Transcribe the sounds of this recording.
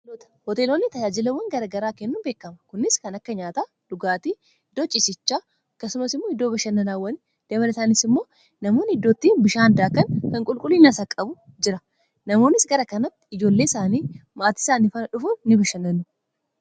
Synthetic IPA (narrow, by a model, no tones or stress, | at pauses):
loːt̪ɐ̥hɔt̪eːlonːɪt̪ɐd͡ʒaːd͡ʒɪlɐwːɐŋɡɐɾɐɡɐɾaːkɛnːʊnbe̞ːkːɐmɐkʊnːɪskɐnɐkːɐɲaːt̪a | d̪̥ʊɡaːt̪iː | d̪oːt͡ʃʼːɪsɪt͡ʃːaː | ɐkːɐsʊmɐsɪmːoːɪd̪ːoːbɐʃɐnːɐnaːwːɐn | d̪̥ɐbɐlɐsaːnɪsɪmːo̞ː | nɐmo̞ːnhɪd̪ːoːt̪ːiːnbɪʃaːnd̪aːkɐnkɐŋkʼʊlkʼʊlːiːnɐsɐkʼɐbʊ | d͡ʒɪɾɐ | nɐmo̞ːnːɪsɡɐɾɐkɐnɐt̪ːɪ̥ɪd͡ʒo̞ːlːe̞ːɪsaːniːmaːt̪i̥ːsaːnɪfɐnɐᶑʊfʊnːɪbɪʃɐnːɐnːʊ